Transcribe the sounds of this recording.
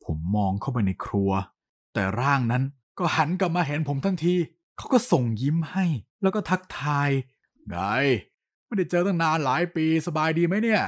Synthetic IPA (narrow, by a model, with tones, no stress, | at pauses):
pʰo˩˦mːɔː˧ŋkʰa˦˥˩wp̬a˧jna˧jkʰɾu˧ɐ | t̪ɛ̰ː˨˩ɾaː˥˩ŋna˦˥n | kɔː˥˩ha˩˦nka˨˩p̚maː˧ɦe˩˦npʰo˩˦mt̪ʰa˦˥ŋt̪ʰiː˧ | kʰa˦˥wkɔː˥˩so˨˩ŋji˦˥mha˥˩jlɛː˦˥wkɔː˥˩t̪ʰa˦˥k̚t̪ʰaː˧j | ɡa˧˩j | ma˥˩jda˥˩jt͡ɕɤː˧t̪ɔ˥˩ŋnaː˧nlaː˩˦˥jpiː˧sa˧baː˧jdiː˧ma˦˥jni˥˩ɐ